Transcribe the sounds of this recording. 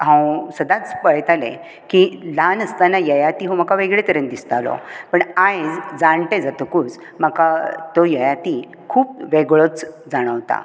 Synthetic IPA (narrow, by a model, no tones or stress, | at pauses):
ɦãwsəd̪ãt͡spəɭɛjt̪alḛ̃ | kilanəst̪anːajəjat̪iɦõm̤əkaʋeɡɭet̪əɾənd̪ist̪alɔ̰pəɳajd͡zd͡zaɳʈed͡zat̪əkuːt͡s | m̤əkat̪ɔjəjat̪i | kʰuːp̚ʋeɡɭət͡s | d͡zaɽ̃əʋt̪a̰